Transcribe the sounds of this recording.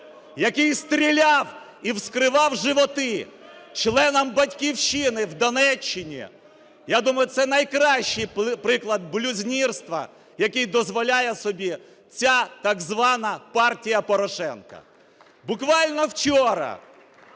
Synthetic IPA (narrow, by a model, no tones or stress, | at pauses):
jɐkɪjst̪ɾʲilʲɑw | iwskɾɪʋɑwʒɪʋɔt̪ɪt͡ʃlˠɛnɔmbɐtʲkʲiwʃinɪwd̪ɔnɛt͡ʃːɪnʲḭ | jad̪umɐjʊt̪sɛnɐjkɾɑʃːɪjpɾɪklˠɐd̪̚blʲʊzʲnʲirst̪ʋɐ̰ | jɐkɪjd̪ɔzʋɔlʲajɛsɔbʲi | t͡sʲat̪ɐɡzʋɑnɐpɑrtʲijɐpɔɾɔʃɛnkɐ̰ | bʊkʋɑlʲnɔwt͡ʃɔɾɐ̰